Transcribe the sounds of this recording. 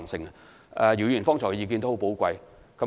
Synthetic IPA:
ŋsɪ˨ŋ˨ | ɛ˧ji˨˩wjy˨˩nfɔː˥ŋt͡sʰɔ˨˩jiː˨˧k̬iː˧nt̪o˥hpo˨˥wkʷɐ˧j | kɐ˨˦˥

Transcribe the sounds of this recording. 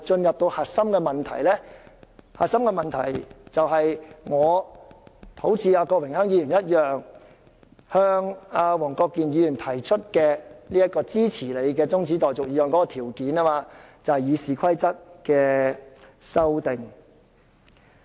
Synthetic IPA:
t͡ʃɵ˧njɐ˨p̚t̪o˧whaː˨t̚sɐ˥mkɛː˧mɐ˨nt̪ʰɐ̰˨˩jlɛː˥ | haː˨t̚sɐ˥mkɛ˧mɐ˨nt̪ʰɐ̰˨˩jt͡sɐ˨wɦɐ˨jŋɔː˨˧ | t̪ʰo˨˥wt͡siː˨˧aː˧kɔː˧wɪ˨˩ŋhœː˥ŋjiː˨˧jy˨˩njɐ˥t̚jœː˨ŋ | hœː˧ŋaː˧wɔː˨˩ŋkɔː˧kːiː˨njiː˨˧jyː˨˩nt̪ʰɐ˨˩jt͡ʃʰɵ˥t̚kɛː˧liː˥jɐ˥t̚kɔː˧t͡siː˥t͡sʰiː˨˩le˨˧jkɛː˧t͡sʊ˥ŋt͡siː˨˥t̪ɔː˨jt͡sʊ˨k̚jiː˨˧jœː˨˧ŋkɔ˨˥kɔː˧t̪ʰiː˨˩wkiː˨˥naː˥maː˧ | t͡sɐ˨whɐ˨jiː˨˧siː˨kʰɐ˥jt͡sɐ˥t̚kɛː˧ | sɐ˥wt̪ɪ˨˩ŋ

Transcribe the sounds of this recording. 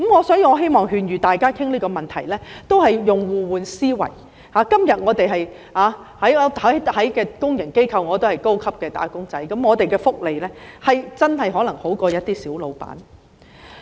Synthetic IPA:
mŋɔː˨˧sɔː˨˥jiː˧ŋɔː˨˧ɦe˥jmɔː˨ŋɦyː˨˧njyː˨t̪aː˨jkaː˥kʰɪ˥ŋliː˥kɔː˧mɐ˨nt̪ʰɐ˨˩jlɛː˥t̪o˥whɐ˨jjʊ˨˩ŋwuː˨wuː˨˧nsiː˥wɐ̰˨˩j | haː˨˥kɐ˥mjɐ˨t̚ŋɔː˨˧t̪e˨jɦɐ˨j | haː˨ | hɐ˨˥jhɐ˨˥jhɐ˨˥jkɛː˧kʊ˥ŋjɪ˨˩ŋke˥jkʰɐ˧wŋɔː˨˧t̪̬o˥whɐ˨jko˥wkʰɐ˥p̚kɛː˧t̪a̰ː˨˥kʊ˥ŋt͡sɐ˨˥jkɐ˨˥mŋɔː˨˧t̪e˨jkɛː˧fʊ˥k̚le˨jlɛː˥hɐ˨jt͡sɐ˥nɦɐ˨jɦɔː˨˥lɐ˨˩ŋho˨˥wkɔː˧jɐ˥t̚t̪iː˥siː˨˥wlo˨˧wpa̰ː˨˥n

